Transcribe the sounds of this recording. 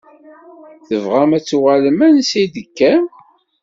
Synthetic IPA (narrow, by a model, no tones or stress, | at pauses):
θəvʁæmæt͡sːuʁaləmænsid̪əkːæm